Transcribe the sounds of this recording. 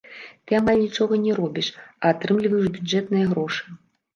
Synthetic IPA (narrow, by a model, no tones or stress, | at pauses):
t̪ɨamalʲnʲit͡ʂɔɣɐnʲɛɾɔbʲiʂɐːt̪ɾɨmlʲivɐjuʐbʲudɛt̪nɨjɐɣɾɔʂɨ̥